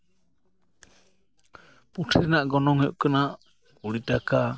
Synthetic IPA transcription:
puʈʰɾɛnaʔɡɔnɔŋhɛʔkanaʔ | kuɽiʈaka

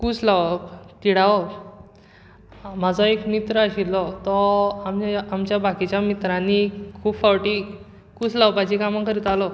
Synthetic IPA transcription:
kut͡slaʋt̪iɽaʋɔ | m̤ad͡zʱɔekmit̪ɾəaɕilːɔt̪ɔamamt͡ɕjabakit͡ɕjamit̪ɾanikʰuːbfawʈi | kut͡slaʋpad͡ʑikamakəɾit̪alɔ

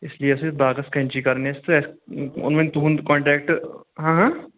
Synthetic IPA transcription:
ɪslieʊsebaːɡɐskɐ̃nt͡ʃikɐɾnest̪ɛsʊ̰nmẽnt̪uːnd̪kɔ̃ːɳʈɾɛːk̚ʈɦãːɦãː

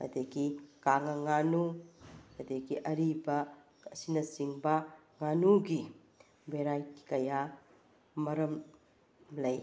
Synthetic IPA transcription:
ɐ̰deɡikaŋɐŋanukɐdeɡiʔɐɾibɐ | ɐsinɐsiŋbɐ | ŋanuɡi | beɾajkikɐja | mɐɾɐm | lɐj

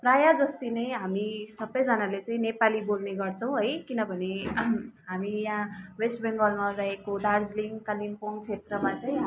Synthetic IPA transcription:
prajad͡zʌst̪inʌjɦamisʌbʌjd͡zʌnalet͡saĩnepalibolneɡʌrt͡sʰʌw̃ɦʌjkinʌbʱʌne | ɦamijãwesʈbeŋɡʌlmarʌɦekoɖard͡zliŋɡkalimpoŋt͡sʰet̪rʌmãt͡saĩ

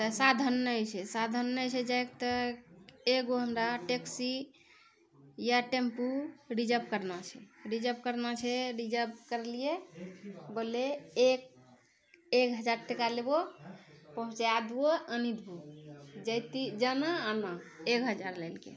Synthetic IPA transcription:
t̪əsad̪ʱənːəojt͡ʃʰɛsad̪ʱənːət͡ʃʰɛd͡ʒajk̚t̪ə | eɡoɦənɾaʈeksi | jaʈempuɖid͡ʒəp̚kəɾnat͡ʃʰɛɾid͡ʒəp̚kəɾnat͡ʃʰɛɾid͡ʒəp̚kəɾlije | boleek̚ | ekɦəd͡ʒaɾʈekalebo | pəɦũt͡ʃaad̪uoənid̪ʱbod͡ʒəjt̪id͡ʒənaːnaekɦəd͡ʒaɾləjlkḛ

